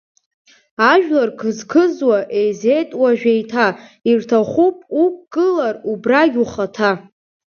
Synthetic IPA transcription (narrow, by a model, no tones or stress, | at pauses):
aʒᶣlarkʰɨzkʰɨzwaʔe̞jze̞jtʼwaʒᶣejtʰairtʰaχʷupʼup̚ɡʼɨlarubraɡʲuχatʰa